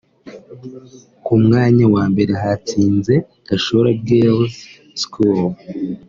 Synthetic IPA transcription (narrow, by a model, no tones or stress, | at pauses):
kumŋaːɲawaːmbe̞ɾeɦat͡siːnze̞ | ɡ̥aʃoɾab̚ɡeːlz | skul